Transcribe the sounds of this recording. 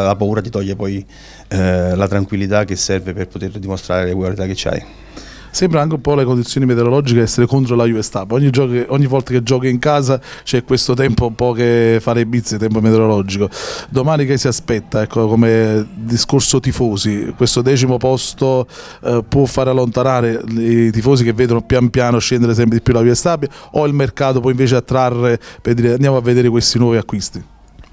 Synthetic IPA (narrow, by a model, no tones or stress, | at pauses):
lapauːɾat̪it̪ɔʎːepɔj | lat̪ɾaŋkwilːit̪ak̟ːesːɛrveperpot̪erd̪imost̪ɾaːɾelekuolit̪akːet͡ʃːia̰j | sɛmbɾaaŋkeumpɔlekond̪it̪sjoːnimet̪eɾolɔd͡ʒiked̪ɛsːeɾekont̪̬ɾolajuest̪apːɔɲːid͡ʒɔːkokeʔɔɲːivːɔlt̪aked͡ʒːɔːkiiŋkaːzat͡ʃɛkːwest̪ot̪ɛmpoumpɔk̟efalebit̪sːet̪ɛmpomet̪eɾolɔd͡ʒikod̪omaːnikesːiaspɛt̪ːaɛkːokomed̪iskorsot̪ifoːsikwest̪od̪ɛːt͡ʃimopɔst̪o | pwɔfːaːɾealːont̪anaːɾeit̪ifoːsikevːeːd̪onopjampjaːnoʃːɛnd̪eɾes̬ɛmpɾed̪ipːjulaviast̪aːbjaoilmerkaːt̪̬op̬wɔiɱveːt͡ʃeat̪ːɾarːeperd̪iːɾeand̪jaːmoavːed̪eːɾekwest̪inwɔːviakːwist̪i